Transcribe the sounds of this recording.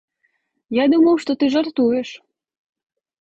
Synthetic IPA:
jɑd̪umowʃt̪ot̪ɨʒɑrt̪ueʃ

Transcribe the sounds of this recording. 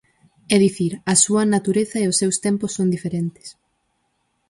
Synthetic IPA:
ɛðiθiɾɐsuɐnat̪uɾeθɐeʊsːewst̪ɛmpʊsːõnd̪ifeɾent̪ɪ̥s

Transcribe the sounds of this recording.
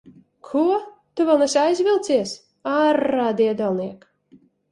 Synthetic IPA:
kʰuɔt̪uvɛlˠnɛsʲajzʲvʲilˠt̪siɛs | aɾaːd̪iɛd̪alˠniɛk

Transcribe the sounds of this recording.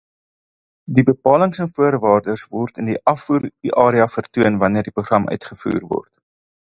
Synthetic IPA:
dibəpɑːləŋsənfuərvɑːrdəsvɔrtəndiʔɐfuːɾiʔɑːɾiɐfərtuənvɐniərdipɾuχrɐmʔœ̰ɥtχəfṵːrvɔ̰rt

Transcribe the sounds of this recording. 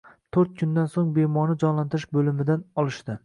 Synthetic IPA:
t̪ʰoɾt̪̚kʰʊnd̪ansoŋbemɒnɪd͡ʒɒnlant̪ɪɾɪʃbɵlɪmɪd̪anɒlˠɪʃt̪ɪ

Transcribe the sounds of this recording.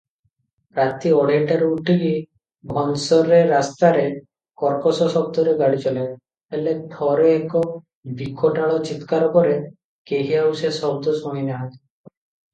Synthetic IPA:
ɾat̪iɔɽeɳʈaɾeuʈʰiki | bʱɔnsɔɾeɾast̪aɾe | kɔɾpɔsɔsɔb̚t̪ɔɾeɡaɽit͡ʃɔle | eled̪ʰʱɔɾeːkɔ | bikʰɔʈaɭɔt͡ʃit̪kaɾɔkɔɾe | keɦiɦausesɔbd̪ɔsɔ̃inaɦat̪

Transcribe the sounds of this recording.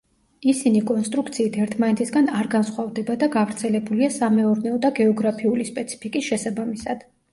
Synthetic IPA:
isinikʼɔnst̪ʼɾukt̪sʰiːt̪ʰɛɾt̪ʰmanɛt̪ʰisɡanaɾɡansχwavd̪ɛbad̪aɡavɾt̪sʰɛlɛbuliasamɛɔɾnɛɔd̪aɡɛɔɡɾapʰiulispʼɛt̪sʰi̥pʰikʼisʃɛsabamisad̪̥

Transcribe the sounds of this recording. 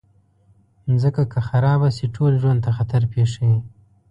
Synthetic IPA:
zəkakʰaxaɾɑbaseʈʰolʒwand̪̚t̪axat̪aɾpeʂawi

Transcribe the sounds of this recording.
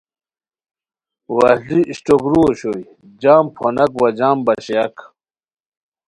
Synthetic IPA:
wɐhliʔiɕʈokɾoːɕoj | d͡ʑaːmpʰonɐkwɐd͡ʑaːmbɐɕeɐk

